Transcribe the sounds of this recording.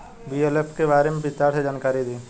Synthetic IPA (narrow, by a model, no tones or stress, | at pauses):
biːelepʰkebaːɾemẽbɪt̪aːɾsed͡ʒaːnkaːɾid̪iː